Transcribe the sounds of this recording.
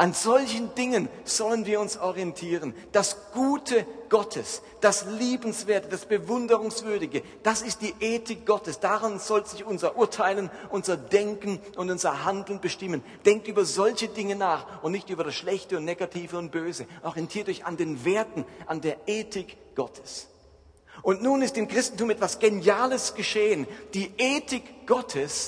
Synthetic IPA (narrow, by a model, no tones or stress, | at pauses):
ʔanzɔlçən̩dɪŋənz̥ɔlənviːɐʊnsʔɔʁiɛntʰiːʁən | d̥asɡ̥uːtʰəɡ̥ɔtʰəs | d̥asliːbn̩sv̥eːɐtəd̥asb̥əvʊndəʁʊŋsv̥ʏɐdɪɡə | d̥asɪst̚d̥iːʔeːtʰɪk̚ɡ̥ɔtəsd̥aʁanz̥ɔlzɪçʔʊnzɐʔʊɐtʰaɪlənʔʊnzɐdɛŋkn̩ʔʊntʊnzɐhandl̩nbəʃtɪmən | d̥ɛŋk̚tʔyːbɐzɔlçədɪŋənaːχʊntnɪçtʔyːbɐɾasʃlɛçtəʊntneːɡatʰiːvəʊnt̚b̥øːzəʔɔʁiɛntʰiːɐtɪçandeːnveːɐtn̩ʔandeːɐʔeːtʰɪk | ɡ̥ɔtʰəs | ʔʊntnuːnɪstɪmkʁ̥ɪstn̩tumɛtv̥asɡ̥enjaːləsɡ̥əʃeːənd̥iːʔeːtɪkɡ̥ɔtʰəs